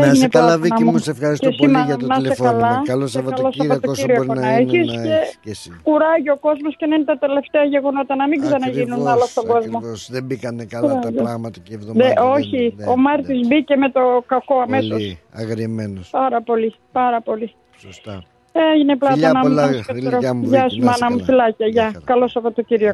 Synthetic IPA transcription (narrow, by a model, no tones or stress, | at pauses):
einepɐðinɐmmsefɐɾiscesimɐnɐekɐlɐloseɐllosɐot̪ociɾioponɐeçisce | kuɾɐʝio̞ko̞zmo̞sce̞nɐinet̪ɐt̪e̞le̞ft̪eɐʝe̞ɣo̞no̞t̪ɐnɐmiɡzɐnɐʝinunɐlost̪o̞ɡo̞zmoðebikɐnekɐɾɐlɐɣmɐt̪ɐvðoðeʔo̞çio̞mɐɾt̪izbice̞me̞t̪o̞kɐko̞ɐme̞so̞sɐɣɾimenspɐɾɐpo̞li | pɐɾɐpo̞li | eʝineplɐt̪ɐnɐmuset̪eɾoʝɐsumɐnɐmufilɐcɐʝɐkɐlo̞sɐpo̞t̪o̞ciɾio